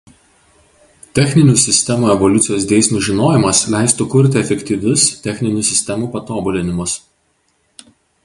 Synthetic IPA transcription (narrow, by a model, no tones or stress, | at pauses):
t̪ʲɛxʲnʲɪnʲuːˑsʲɪsʲt̪ʲɛmuːɛʋɔlʲʊt̪sʲɪjoːsd̪ʲeːsʲnʲuːʒʲɪnoːjɪmɐslʲɛˑɪst̪ʊkʊɾʲt̪ʲɪɛfʲɛkʲt̪ʲiˑʋʲʊst̪ʲɛxʲnʲɪnʲuˑːsʲɪsʲt̪ʲɛmuːpɐt̪oːbʊlʲɪnʲɪmʊs